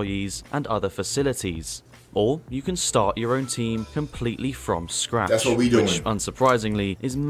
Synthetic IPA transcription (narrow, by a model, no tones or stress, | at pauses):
izʔə̰̃nʌ̰ðəfəsɪlɪtʰiz̥ | ʔəjəkʰə̃nstɑ̰ˑt͡ʃəɹə̃ʊ̃ntʰĩːmkʰə̃mpʰl̥iˑʔlifɹə̰̃mskɹa̰ðæswʌt̚widɨɪ̃ʌ̃nsəpʰɹ̥aɪzɪ̃ŋliʔɪzm